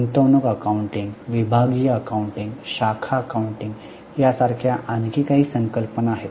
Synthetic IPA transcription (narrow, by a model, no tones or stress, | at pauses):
ənt̪əwnukəkauɳʈĩŋɡʋibʱaɡijəəkauɳʈĩŋɡɕakʰaəkauɳʈiŋɡ | jasaɾkʰjaʔankikaɦiːsəŋkəlpənaːɦet̪